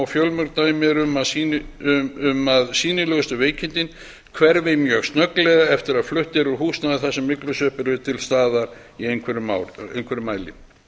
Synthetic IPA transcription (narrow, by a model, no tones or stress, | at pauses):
wfjœlmœɾt̪aːjmɛɾʏmaðsiː | ʏmaðsiːnɪlœɣʏst̪ʏveːjcʰɪnt̪ɪn | kʰvɛɾvejmjœkst̪nœklɛɣaɛft̪ɪɾaðflʏht̪ɛɾʏɾɦuːsnaðɪθasːɛmːɪklʏsœːhpɪɾvɪt̪ʰɪlst̪aːðaɾ̥iejŋkʰvɛɾʏmaḛjnkvɛɾʏmaːjlɪ̰